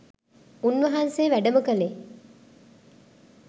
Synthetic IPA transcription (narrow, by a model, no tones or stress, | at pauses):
unʋɐɦɐnseːʋæɖɐmɐkɐle